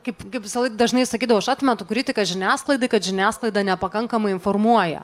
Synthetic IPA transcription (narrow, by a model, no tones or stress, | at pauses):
kɐɪpkɐɪpʋʲɪsɐlˠɐɪkd̪ɐʒnɐɪsɐkʲiːd̪ɐʋoʃɑːt̪ʲmʲɛt̪ʊkɾʲɪt̪ʲɪkɐʒʲɪnʲæːsklˠɐɪd̪ɐɪkɐt̪ʒʲɪnʲæːsklˠɐɪd̪ɑnʲɛpɐkɐŋkɐmɐɪɪnformuɔjɛ̰